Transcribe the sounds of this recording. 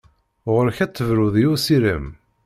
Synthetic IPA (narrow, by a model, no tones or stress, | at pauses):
ʁəɾçæt͡s̪ːəvɾʊðˤjusiɾəm